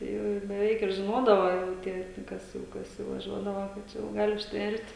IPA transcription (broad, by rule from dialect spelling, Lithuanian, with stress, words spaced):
ˈtɐɪ jɛʊ ɪr bʲɛˈʋʲɛɪk ɪr ʒʲɪˈnoːdɐʋoː jɛʊ ˈtʲiɛ nʊ ˈkɐs jɛʊ ˈkɐs jɛʊ ʋɐˈʒʲuɔdɐʋɐ kɐ ˈt͡ʃʲɛ jɛʊ ˈɡɑːlʲɪ ʊʃʲtʲˈʋʲɛrʲtʲ